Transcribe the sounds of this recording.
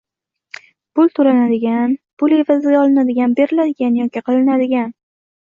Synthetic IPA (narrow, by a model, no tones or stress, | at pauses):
pʊlˠt̪ʰʊɾanad̪ɪɡʲanpʰʊle̞vazɪɡʲaɒlˠɪnad̪ɪɡʲanbe̞ɾɪlad̪ɪɡʲanjɒkʲɪqʰɨlɪnad̪ɪɡʲan